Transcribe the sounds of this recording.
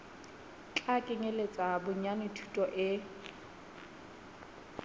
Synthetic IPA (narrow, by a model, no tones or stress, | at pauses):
t͡ɬʼakʼɪŋelet͡sʼabʊɲanɪtʰu̥tʼɔʔɪ